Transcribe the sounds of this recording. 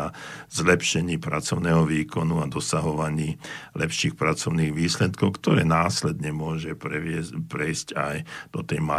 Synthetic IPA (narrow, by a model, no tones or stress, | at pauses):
azlɛpʃɛɲiːpɾat͡sɔʊnɛːɦɔʋiːkɔnuad̪ɔsaɦɔʋaɲiːlɛpʃiːxpɾat͡sɔʊniːɣʋiːslɛt̪kɔʊkt̪ɔɾɛ̰ːnaːslɛd̪ɲɛmʊɔʒɛɛpɾɛjscajd̪̥ɔt̪ɛjma